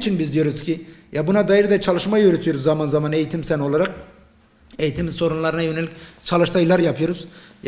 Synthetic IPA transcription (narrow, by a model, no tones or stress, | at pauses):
t͡ʃʰinbizd̪ijo̞ɾuz̥cʰijabunad̪ajɯɾɯd̪ɛt͡ʃʰalˠɯʃmajjøɾet̪ʰijo̞ɾuzːamanzamane̞jit̪ʰimsæno̞lˠaɾak̚ | ejit̪ʰimiso̞ɾunlˠaɾɯnajø̞nelʲict͡ʃʰalˠɯʃlajɯlˠaɾjapʰɯjo̞ɾuzj